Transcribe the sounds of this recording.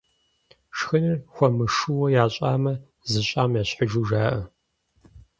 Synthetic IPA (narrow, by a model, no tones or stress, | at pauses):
ʂxɨnɨrxʷɔmɨʂuwɔjaːɕʼaːmɐ | zɨɕʼaːmjaːɕħəʒuʒaːʔɐ